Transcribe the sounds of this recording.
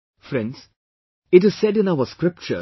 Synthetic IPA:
fɾɛ̃nɖs | ɪʈɪz̥sɛɖɪ̃naʊəskɾɪp̚t͡ʃə̰

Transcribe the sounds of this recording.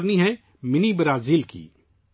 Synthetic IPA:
ɾniɦɛ | mɪnibɾaːziːlkḭː

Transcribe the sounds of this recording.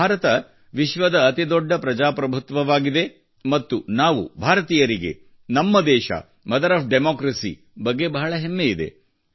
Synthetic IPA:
baːɾɐt̪ɐ | ʋiʃʋɐd̪ɐːt̪id̪ɔɖːɐpɾɐd͡ʒaːpɾɐbʱut̪ʋɐʋaːɡid̪e̞ | mɐt̪ːunaːʋṵbʱaːɾɐt̪iːjɐɾiɡe̞̰ | nɐmːɐd̪ɛːʃɐ̰ | mɐd̪ɐɾaːp̚ʰɖemoːkɾɐsḭ | bɐɡːe̞bɐɦɐɭɐɦemːe̞id̪e̞̰

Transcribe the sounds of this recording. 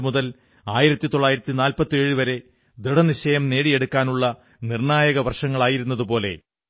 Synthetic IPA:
muðɐl | aːjiɾɐt̪ːit̪oɭːaːjiɾɐt̪ːinaːlpɐt̪ːe̞ːɻuʋɐɾe̞ | d̪ɾiɽɐniɕɐjɐmne̞ːɽije̞ɽukːaːnuɭːɐ | nirɳaːjɐɣɐʋɐrʂɐŋːɐɭaːjiɾun̪ːɐðupo̞ːle̞̰

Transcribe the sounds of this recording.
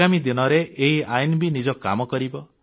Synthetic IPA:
amid̪inɔɾeʔeɦiajnbinid͡ʒɔkːa̰mɔkɔɾibɔ

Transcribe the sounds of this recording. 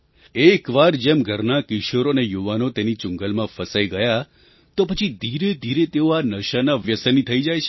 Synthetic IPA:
ekʋaɾd͡ʒemɡʱəɾnakɪʃoɾonejuʋanot̪enit͡ʃʊ̃ŋɡəlmãfəsaiɡəja | t̪opət͡ʃʰid̪ʱiɾed̪ʱiɾet̪eoanəʃanaʋjəsənit̪ʰəid͡ʒajt͡ʃʰ

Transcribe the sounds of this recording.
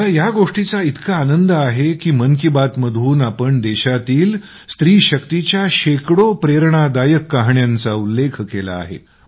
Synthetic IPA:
t̪ajaɡoʂʈit͡sait̪kaːnənd̪əaɦekiːməŋkibat̪məd̪ʱuːnapəɳd̪eɕat̪iːl | st̪ɾiːɕəkt̪it͡ɕjaɕekɽopɾeɾɳad̪ajəkːaɦɳjant͡saulːekʰkela̰ːɦḛ

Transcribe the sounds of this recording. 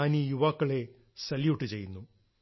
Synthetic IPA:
aːnijuʋaːkːɐɭe̞ | sɐlijuʈːɨt͡ɕe̞jːunːu

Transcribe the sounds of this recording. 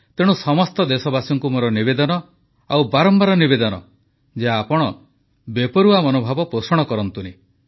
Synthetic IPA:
t̪eɽ̃usɔmɔst̪ɔd̪esɔbasɔŋkumoɾɔnibed̪ɔnɔ | awbaɾɔmbaɾɔnibed̪ɔnɔ | d͡ʒeaapɔɽ̃ɔ | bepɔɾuamɔnobʱabɔpɾosɔɽ̃ɔkɔɾɔnt̪uni

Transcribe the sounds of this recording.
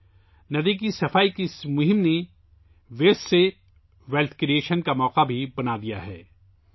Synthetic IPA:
nɐd̪ikisɐfaːikismʊɦɪmne | ʋeːsse | ʋɛlt̪ʰkɾieːʃənkamɔːqabʱibɐnad̪ija̰ɦɛː

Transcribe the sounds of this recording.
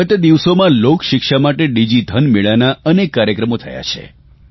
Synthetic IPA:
ət̪d̪iʋsomãlokʃɪkʃamaʈeɖid͡ʒid̪ʱənmiɭanaənekːaɾjəkɾəmot̪ʰəja̰t͡ʃʰḛ

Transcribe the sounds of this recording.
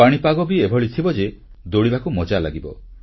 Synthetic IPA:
aɽ̃ipaɡɔbiebʱɔɭit̪ʰibɔd͡ʒe | d̪oɽibakumɔd͡ʒalaɡibɔ̰

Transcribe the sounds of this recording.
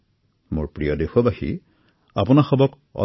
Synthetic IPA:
mʊ̰ɹpɹijɔdexɔbaxḭ | a̰pʊnaxɔbɔk | ɔ̰

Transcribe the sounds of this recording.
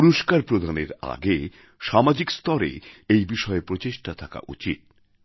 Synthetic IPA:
uɾoʃkaɾpɾod̪ʱaneɾa̰ɡe | ʃamad͡ʑikst̪ɔɾḛejbiʃɔepɾot͡ɕeʃʈat̪ʰaka̰ʔṵt͡ɕit̪̚

